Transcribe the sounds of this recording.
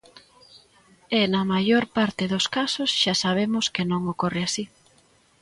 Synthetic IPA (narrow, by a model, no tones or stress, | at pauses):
ɛnɐmajoɾpaɾt̪ɪðoskasosʃasaβ̞emʊskɪnõŋokorɪasi